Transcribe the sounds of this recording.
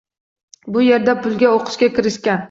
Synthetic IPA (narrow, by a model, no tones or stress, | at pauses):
bʊje̞ɾd̪apʰʊlˠɡʲaoqʰɨ̥ʃkʲakʲɪɾɪʃkʲan